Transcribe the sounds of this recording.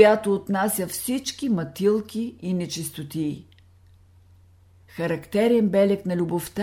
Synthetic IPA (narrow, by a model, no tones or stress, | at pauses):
jat̪oːt̪nasʲjəfsit͡ʃkʲimɐt̪ilˠkʲiːnɛt͡ʃɛst̪ot̪iː | xɐɾɐkt̪ɛɾɛnbɛlɛknɐlʲuboft̪a